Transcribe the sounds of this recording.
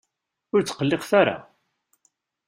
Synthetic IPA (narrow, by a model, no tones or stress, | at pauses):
ʊɾt͡sːə̥qəlːɪqθaɾa̰